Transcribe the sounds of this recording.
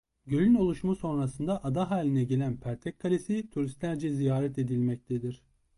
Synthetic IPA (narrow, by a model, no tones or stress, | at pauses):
ɟølʲyno̞lˠuʃmaso̞nɾasɯnd̪aʔad̪aɦaːlʲinɛɟe̞lʲænpʰæɾt̪ʰɛckʰːalʲesit̪ʰuɾist̪lʲæɾd͡ʒɛzijaːɾɛt̪e̞d̪ilʲmɛc̚t̪ʰed̪iɾ̥